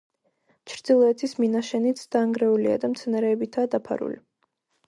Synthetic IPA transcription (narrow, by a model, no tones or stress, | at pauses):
t͡ʃʰɾd̪zilˠɔɛt̪ʰisminaʃɛnit̪sʰd̪̥aːŋɡɾɛulia̰d̪amt̪sʰɛnaɾɛːbit̪ʰaːd̪apʰa̰ɾṵlḭ